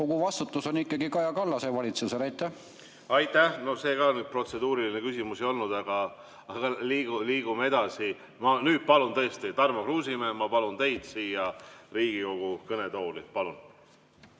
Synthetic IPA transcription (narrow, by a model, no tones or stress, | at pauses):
ko̞ɡuvɑst̪ut̪ːˑuso̞nikːˑɑɡikɑjɑkɑlːɑsevɑlʲit̪suseɾɑjt̪ˑːæh | ɑjt̪ːˑæhno̞hse̞ːɡɑonyd̪̚pro̞t̪se̞d̪uːɾilinekysimuseo̞lnud̪ɑɡ̥ɑː | ɡ̥ɑliːɡuliːɡ̥umee̞d̪̥ɑsi | mɑnyːd̪̥̚pɑlunt̪ɤest̪it̪ɑrmɑkruːsimemɑpɑlunt̪e̞jd̪̥siːjɑriːɡ̥iko̞ɡ̥ukɤne̞t̪o̞ːlipɑlun